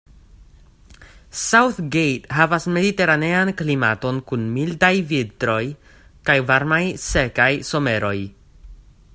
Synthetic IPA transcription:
sawθɡejtɦavasme̞dite̞ɾane̞anklima̰to̞nkunmildajvitɾo̞j | kajvaɾmajse̞kajso̞me̞ɾo̞j

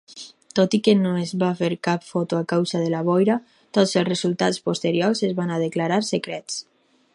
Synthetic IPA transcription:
t̪ot̪ikenoezβafeɾkapfot̪uakawzaðelaβɔjɾa | t̪ozelˠsrezulˠt̪at͡spost̪eɾjoɾsezβanað̞eklaɾaɾsekɾɛt͡s

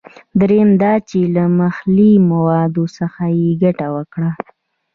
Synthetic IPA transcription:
d̪ɾemd̪ɑt͡ʃelaməxlimawɑd̪osəxajeɡaʈawəkɽa

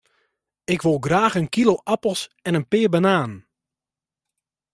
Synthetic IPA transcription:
ɪkʋolˠɡraːxənkiloʔapəl̩ˠsɛnənpɪːbanaːn

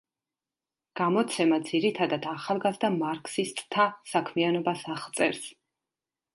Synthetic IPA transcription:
ɡ̥amɔt̪sʰɛmad̪ziɾit̪ʰad̪ad̪aχalˠɡazd̪amaɾkʰsist̪ʼt̪ʰasakʰmianɔbasaχlt̪sʼɛɾs

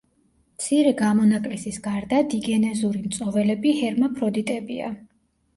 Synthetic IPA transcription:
t̪sʰiɾɛɡamɔnakʼlɛsisɡaɾd̪ad̪iɡɛnɛzuɾimt̪sʼɔvɛlɛbihɛɾmapʰɾɔd̪it̪ʼɛbia̰

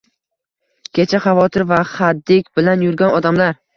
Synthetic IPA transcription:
kʲʰe̞t͡ʃʰaχavɒt̪ʰɪɾvaχad̪ːɪkʲbɪlanjʊɾɡʲanɒd̪amlaɾ

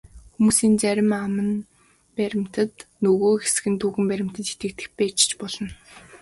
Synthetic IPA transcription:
xumuːsiːnt͡sæɾʲɪ̆mamə̆n | pæɾʲɪ̆m̥t̪ə̆t̪nɵɣoːxesɘ̆xɘ̆nt̪ʰuːxɘ̆mpæɾʲɪ̆m̥t̪ə̆t̪e̥t̪ɡɘ̆k̚t̪ɘ̥̆xpæːt͡ɕ̆t͡ɕpɔɮɞ̆n

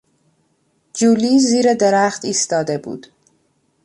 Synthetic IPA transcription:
d͡ʒuːliːziːɾed̪eɾæχt̪iːst̪ɒːd̪e̞bṵːd̪̥

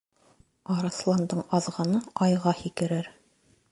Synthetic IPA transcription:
ɑɾɑslˠɑnd̪ɤɴɑðʁɑnɤɑjʁɑhikɘ̆ɾɘɾ

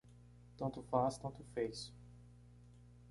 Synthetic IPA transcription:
t̪ɐ̃t̪ʊfast̪ɐ̃nt̪ʊfejsʊ̥

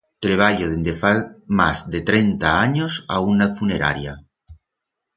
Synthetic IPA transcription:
t̪ɾeβ̞aʎoðend̪efama̰zðet̪ɾent̪aaɲosa̰unːaðfuneɾa̰ɾja

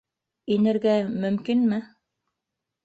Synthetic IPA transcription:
inɘ̆ɾɡæmɵ̆mkinmɘ

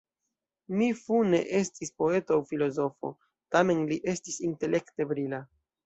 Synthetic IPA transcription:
mifune̞̰ʔe̞stispo̞e̞toawfilo̞zo̞fo̞̰ | tame̞nliʔe̞stisinte̞lʔe̞kte̞bɾila

